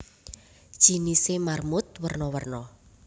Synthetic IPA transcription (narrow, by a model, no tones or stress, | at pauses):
d̥ʒ̥i̤nisemarmʊt̪̚wərnɔwərnɔ